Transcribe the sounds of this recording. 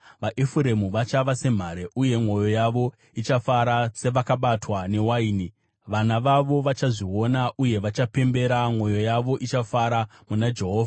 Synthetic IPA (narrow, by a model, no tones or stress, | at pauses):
ʋaʔefuɾe̞muʋat͡ʃaʋase̞m̤aɾe̞ʔuje̞mwo̞jo̞jaʋo̞ | it͡ʃafaɾase̞ʋakaɓatwane̞waiːni | ʋanaʋaʋo̞ʋat͡ʃaʐiwo̞naʔuje̞ʋat͡ʃape̞mbe̞ɾamŋo̞jo̞jaʋo̞ʔit͡ʃafaɾamunad͡ʒe̞ɦoːvʱa